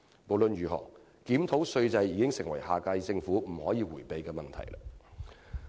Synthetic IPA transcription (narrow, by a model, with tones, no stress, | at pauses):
mo˨wlɵ˨nɥyː˨ɦɔ̰ː˨˩ŋ | kiː˨˥mt̪ʰo˨˥wsɵ˧ɥt͡sɐ˧jːiː˨˥kɪ˥ŋsɪ˨˩ŋwɐ˨˩jhaː˨kaː˧jt͡sɪ˧ŋfuː˨˥m̩˨˩hɔː˨˥jiː˨˧wuː˨˩jpe˨jkɛː˧mɐ˨nt̪ʰɐ̰˨˩jlɐ̰˧